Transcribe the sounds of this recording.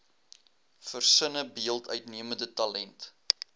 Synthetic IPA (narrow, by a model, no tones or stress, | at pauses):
fərsənəbiəlˠtœɥtniəməndətɐlɛnt